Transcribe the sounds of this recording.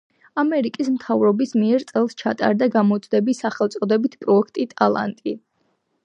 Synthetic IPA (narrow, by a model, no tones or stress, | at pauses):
amɛɾikʼismt̪ʰavɾɔbismiɛɾt̪sʼɛlˠst͡ʃʰat̪ʼa̰ɾd̪aɡamɔt̪sʼd̪ɛbisaχɛlˠt̪sʼɔd̪ɛbit̪ʰpʼɾɔɛkʰt̪ʼit̪ʼalˠa̰nt̪ʼḭ